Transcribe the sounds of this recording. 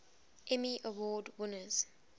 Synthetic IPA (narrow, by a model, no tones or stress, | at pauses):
ʔɛmiʔəwɔːdwɪnəz̥